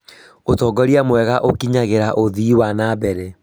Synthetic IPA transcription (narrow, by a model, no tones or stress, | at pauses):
otɔːɡɔɾiamwɛɣaʔokiɲaɣeɾaʔoðiːwanaːbɛɾɛ